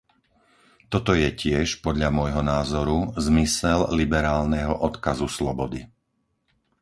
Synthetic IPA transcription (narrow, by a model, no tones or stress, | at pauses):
t̪ɔt̪ɔjɛcɪɛʃpɔd̪ʎamʊɔjɦɔnaːzɔɾuzmisɛllibɛɾaːlnɛɦɔʔɔt̪kazuslɔbɔd̪i